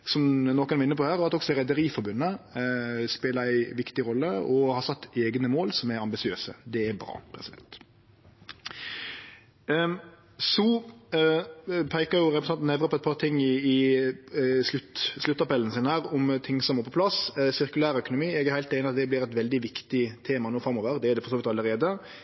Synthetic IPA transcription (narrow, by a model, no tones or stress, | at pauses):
sɔmnoːkənɛɾɪnːəpʰɔhæːɾɑt̪ɔɡsɔɾɛd̪əɾiːfɔɾbʉnːə | speːləɾæɪʋɪkt̪ɪʁɔlːəɔhɑsɑt̪ːeːɡnəmoːlsɔmæɾɑmbɪsɪøːsə̰d̪ɛæɾbɾɑ̰ːpʰɾɛsɪd̪ɛ̰nt̪ | su | pʰæɪkəjʊɾɛpɾɛsɑnt̪nɛʋɾəpʰɔɛt̪̚pʰɑːʁt̪ʰɪŋːɪɪ | slʉt̪slʉt̪ːɑpɛlənəsiːnəhæːʁɔmt̪ʰɪŋːsɔmɛpʰɔpʰlɑssɪʁkʉlæːɾœkʊnʊmiːɛɡæɾhæɪlt̪eɪnɪɑt̪̚d̪ɛb̪ɪɾɛt̪ʋɛld̪ɪʋɪkt̪ɪt̪ʰeːmɑnuːfɾɑmoːʋəɾd̪ɛæɾd̪ɛfɔɾsoːʋɪt̪ɑləɾeːd̪ə